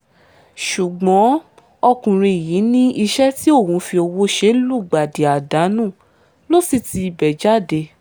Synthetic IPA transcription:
ʃu˨ɡ͡bɔ̃˨˦ | ɔ˧kũ˨ɾ̃ẽ˧˨ji˨˦nĩ˦i˧ʃɛ˦ti˦o˦˨hũ˨˦fi˧o˧wo˦ʃe˧˦lu˦˨ɡ͡ba˨de˨a˨da˨˦nũ˦˨ | lo˦si˦˨ti˧i˧bɛ˨d͡ʒa˦˨de˧

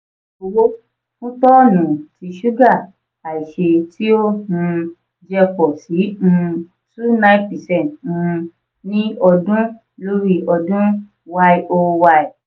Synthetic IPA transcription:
o˧wo˦ | kũ˦tɔ˦˨nũ˨tʰi˨˧ʃu˦ɡa˦˨ | a˨i˨ʃe˧ti˦o˦˨hũ˧ | d͡ʒɛ˧kɔ˨sĩ˨˦˧ | su˦nã˦i˦pi˨sɛ˦˨n˨ũ˧ | nĩ˦ɔ˧dũ˦ | lo˦ɾi˦˨ɔ˧dũ˦ | wa˧i˦ʔo˧wa˧i˨

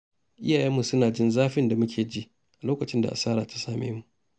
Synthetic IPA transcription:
ʔɪ˦jaː˨jɛ˦mːu˨sʊ˦naː˨d͡ʒɪ˦nzaː˦ɸɪ˦nda˨mʊ˦kʲʰeː˨d͡ʒi˦ʔ | ʔa˨loː˦kɐ˨t͡ʃɪ˦nda̰˨ʔa̰˨saː˦ɾa̰ː˨tḁ˦saː˦mḛː˦mu˨ʔ

